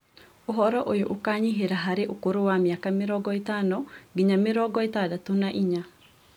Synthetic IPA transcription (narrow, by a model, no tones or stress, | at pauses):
oɦɔɾɔʔojoʔukaɲiɦeɾaɦaɾeʔokoɾowamjakamɪɾɔɡɔet̪anɔɡiɲamɪɾɔɡɔet̪adat̪unaʔiɲa